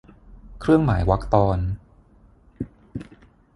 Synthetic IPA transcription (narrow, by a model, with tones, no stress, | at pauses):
kʰɾɯ˥˩əŋma̰ː˩˦jwa˦˥k̚t̪ɔː˧n